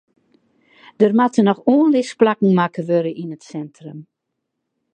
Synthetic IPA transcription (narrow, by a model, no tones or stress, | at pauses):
d̥ərmatənɔxoənlɪsplakŋ̩makəʋøɾəʔinətsɛntrəm